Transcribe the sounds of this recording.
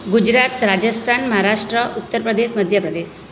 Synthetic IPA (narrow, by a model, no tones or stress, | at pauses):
ɡud͡ʑɾat̪ɾad͡ʑəst̪ʰanməɦaɾaʂʈɾəʔut̪ːəɾpɾəd̪esməd̪ʱjəpɾəd̪es